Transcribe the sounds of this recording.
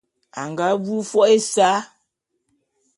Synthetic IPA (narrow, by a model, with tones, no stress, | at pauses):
a˨ŋɡa˨˦bu˦fɔ˦e˦sa˦